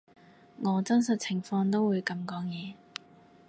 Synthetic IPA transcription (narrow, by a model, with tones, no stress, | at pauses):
ŋɔː˨˧t͡sɐ˥ns̬ɐ˨t̚t͡sʰɪ˨˩ŋfɔː˧ŋt̪o˥wuː˨˧jkɐ˧mkɔː˨˥ŋjɛː˨˧